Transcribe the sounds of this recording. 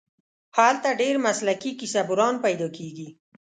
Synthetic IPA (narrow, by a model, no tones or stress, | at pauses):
halt̪aɖeɾmaslakikisabuɾɑnpajd̪ɑkʰeɡi